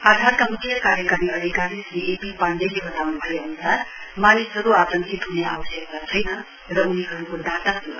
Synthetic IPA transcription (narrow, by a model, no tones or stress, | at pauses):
ad̪ʱaɾkamukʰjʌkaɾjəkaɾiʌd̪ʱikaɾisniepipand͡ʒelebʌd̪awnbʱʌjənusʰaɾ | manisɦʌɾuat̪ʌŋkʰit̪ɦunea̰bʌsjʌkɾat͡sʰʌjnʌ | ɾʌuniɦʌɾukoɖat̪asu